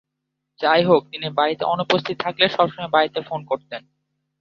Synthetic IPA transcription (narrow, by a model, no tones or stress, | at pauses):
t͡ɕajɦok̚t̪inibaɾit̪ḛʔɔnupost̪ʰit̪t̪ʰakleʃɔbʃɔŋabaɾit̪efonkoɾt̪en